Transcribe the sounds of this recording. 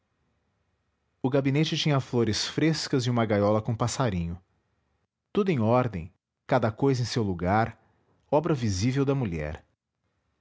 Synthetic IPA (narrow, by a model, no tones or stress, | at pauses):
ʊɡabinet͡ʃɪt͡ʃĩɲɐfloɾɪsfɾeskɐzɪũmɐɡajɔlɐkõpasaɾĩɲʊ | t̪ud̪ʊẽɔɾd̪ẽj̃ | kad̪ɐkojzɐẽj̃sewluɡaɾ | ɔbɾɐvizivewd̪ɐmuʎɛ̰ɾ